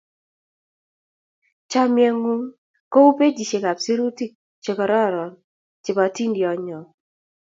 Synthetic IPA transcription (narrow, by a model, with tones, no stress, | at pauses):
t͡ʃa˦mjɛ˦ŋu˦ŋ | ko˦u˦pe˦d͡ʒi˨t͡ʃe˨ka˨psi˦ɾu˦ti˦k̚ | t͡ʃe˨kɔ˨ɾɔ˦˨ɾɔ˨n | t͡ʃɪ˨ba˨ti˦ndi˨ɔ˨ɲɔ˨